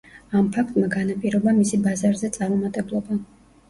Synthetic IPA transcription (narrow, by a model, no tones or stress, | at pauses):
ampʰak̚ʰt̪ʼmaɡanapʼiɾɔbamisibazaɾzɛt̪sʼaɾmɔmat̪ʼɛblˠɔba